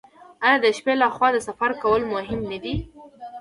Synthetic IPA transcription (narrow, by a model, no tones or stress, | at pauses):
ajɑd̪əʃpelaxwɑd̪əsafaɾkawəlmʊɦɪmnad̪i